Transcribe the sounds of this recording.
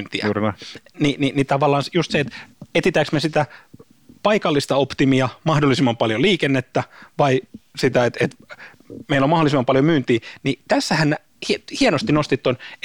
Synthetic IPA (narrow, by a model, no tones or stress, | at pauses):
nt̪iæ̰nininit̪ɑʋɑlːˑɑːnsjust̪seet̪et̪it̪æksmesit̪æ | pɑikɑlːist̪ɑopt̪imiɑmɑhdolːˑisimːɑmpɑljoliːkenːet̪ːæʋɑisit̪æet̪et̪ | meilːomɑholisimːɑmpɑljomyːnt̪iːnit̪æsːæhænnæ | hihienost̪inost̪it̪ːon